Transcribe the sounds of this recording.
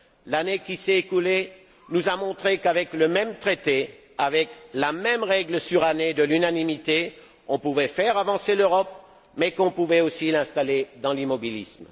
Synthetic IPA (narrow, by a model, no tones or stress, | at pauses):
lanekʲisɛekule | nuzamɔ̃t̪χekavɛkləmɛmt̪χet̪e | avɛklamɛmʁɛɡləsyʁaned̪əlynanimit̪e | ɔ̃puvɛfɛʁavɑ̃seløʁɔp̚ | mɛkɔ̃puvɛosilɛ̃st̪aled̪ɑ̃limɔbilḭsm